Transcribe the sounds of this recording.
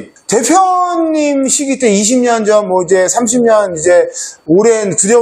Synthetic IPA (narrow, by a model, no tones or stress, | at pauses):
te̞pʰjʌɲːimɕʰiɡit͈eiɕ̬ʰimɲʌnd͡ʑʌnːwʌid͡ʑe̞sʰamɕ̬ʰimɲʌnid͡ʑe̞oɾentuɾjʌ